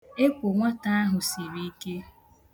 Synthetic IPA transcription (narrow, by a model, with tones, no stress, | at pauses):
e˦kʷo˨ŋʷa˦ta˦a˦ɦʊ˨si˨ɾi˦i˦ke˦